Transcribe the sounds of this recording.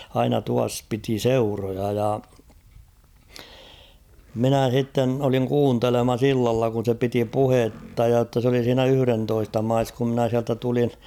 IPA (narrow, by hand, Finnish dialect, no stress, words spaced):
ɑinɑ tuɑs piti seurojɑ jɑ minæ s̞itːen oliŋ kuːntelemɑs ilːɑlːɑ kun̞ se piti puhetːɑ jɑ tːɑ s oli siːnæ yhy̆rentoistɑ mɑis kum mɪ̆næ siæltæ tulin̞